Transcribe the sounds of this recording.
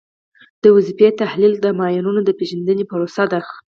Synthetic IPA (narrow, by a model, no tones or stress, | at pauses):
d̪̥əwazifet̪ahlild̪əmɑjanunod̪əpeʒand̪ənepəɾosad̪aɾx